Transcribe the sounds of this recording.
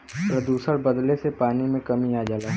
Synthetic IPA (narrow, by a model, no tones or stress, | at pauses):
pɾɐd̪uːsəɽbɐd̪lesepaːnimẽkɐmiaːd͡ʒaːlaː